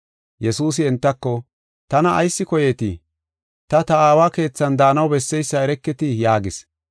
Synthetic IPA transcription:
jɛsuːs̬ɪɛnt̪ːɐkːɔ | t̪ɐnɐʔːjsːɪkɔjeːt̪ɪ̰ | t̪ɐt̪ɐaːwaːke̞ːt͡sːɐnd̪aːnɐwbɛsːɛjsːɐɛɾɛkːɪt̪ɪjaːɡɪs

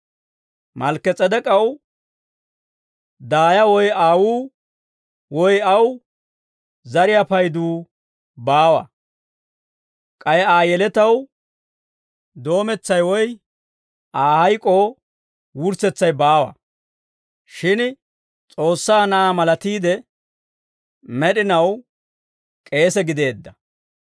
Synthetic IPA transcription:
mɐlkːɛt͡sʼɛd̪ɛkʼɐw | d̪aːjɐwɔjaːwuː | wɔjɐw | zɐɾɪjapɐjd̪uː | baːwɐ̰ | kʼɐjaːjɛlɛt̪ɐw | d̪o̞ːmɛt͡sːɐjwɔj | ʔaːhɐjkʼoː | wʊɾsɛt͡sːɐjbaːwɐ̰ | ʃɪn | t͡sʼo̞ːsːaːnɐamɐlɐt̪iːd̪ɛ | mɛɗɪnɐw | kʼe̞ːsɛɡɪd̪e̞ːd̪ːɐ

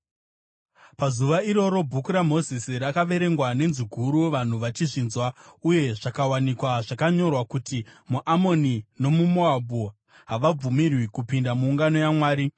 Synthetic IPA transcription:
pazuʋaiɾo̞ɾo̞bʱukuɾamo̞zisiɾakaʋe̞ɾe̞ŋɡwane̞nziɡʱuɾuʋan̤uʋat͡ʃiʐinzwauje̞ʐakawanikwaʐakaɲo̞rwakutimuʔamo̞nino̞mumoabʱo | ɦaʋab͡vumirwikupindamuːŋɡano̞jamwaːɾi

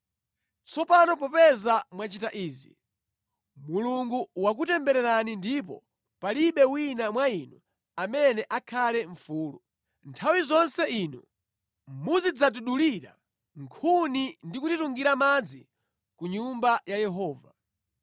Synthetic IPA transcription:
t͡sɔpanɔp̬ɔpɛzamwat͡ʃitaʔiːzḭ | muluŋɡuwak̬utɛmbɛɾɛɾanindip̬ɔ̰ | paliɓɛwinamwainu | amɛnɛʔakʰalɛɱfuːlu | ntʰawizɔnsɛiːnu | muzid͡zat̬uɗuliɾa̰ | ŋkʰunindikutituŋɡiɾamad͡zi | kuɲumbajajɛɦɔːva

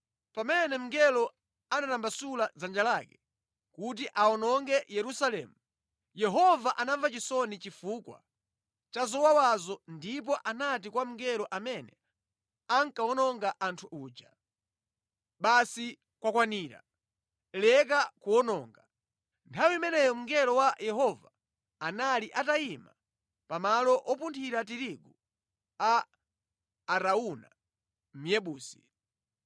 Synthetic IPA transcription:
pamɛnɛm̩ŋɡɛlɔ | anatambasulazand͡ʒalaːkɛ̥ | kut̬iʔaɔnɔŋɡɛjɛɾusalɛ̰mu | jɛɦɔvaʔanavat͡ʃisɔnit͡ʃifuːkwa̰ | t͡ʃazɔwawazɔndip̬ɔʔanat̬ikwam̩ŋɡɛlɔʔamɛnɛ | aŋkaɔnɔŋɡaʔantʰuʔuːd͡ʒa | ɓasi | kwakwaniːɾa̰ | lɛk̬akuɔnɔːŋɡa | ntʰawiimɛnɛjɔm̩ŋɡɛɾɔwajʔɛɦɔva̰ː | naliʔataima̰ | pamalɔʔɔpuntʰiɾat̬iɾiɡu | a | ɾauna̰ | m̩jɛɓuːsi̥

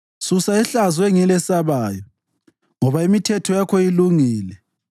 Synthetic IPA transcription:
susaɛɬazwɛŋɛlɛsaβaːjɔ | ŋɔβaimitʰɛtʰɔjakʰɔiluŋiːlɛ

